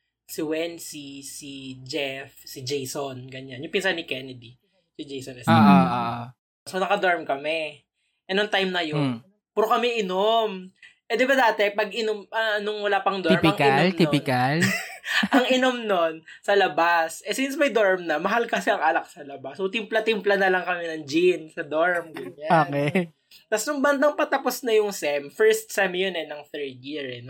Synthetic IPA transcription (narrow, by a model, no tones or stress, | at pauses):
sɪwɛnsisid͡ʒɛfsɪd͡ʒɛjsonɡɐɲanjʊŋpɪnsanɪkɛnɛd̪i | sɪd͡ʒejsonɐsʔ | sonɐkɐd̪oɹmkɐmɛ | ʔɛnoŋt̪ajmnɐjon | pɛɾokɐmɛʔɪnomʔɛd̪ɪbad̪aːt̪ɛpɐɡ̚ʔɪnomʔɐnʊŋwɐlaːpɐŋd̪oɹmɪɐŋɪlt̪iɪkɐlʔɐŋɪnomno̞n | sɐlɐbasʔɛsinsmɐjd̪oɹmnɐmɐɦalkɐsɛʔɐŋʔalɐk̚sɐlɐbasːot̪ɪmplɐt̪ɪmplɐnɐlɐŋkɐmɛnɐŋd͡ʒinsɐd̪oɹmɡʊɲaoːkɛ | t̪ɐsnʊŋbɐnd̪ɐŋpɐt̪ɐposnɐjʊŋsɛmfɛɹst̪̚sɛmjonɛnɐŋθɛɹd̪̚jiɹɛn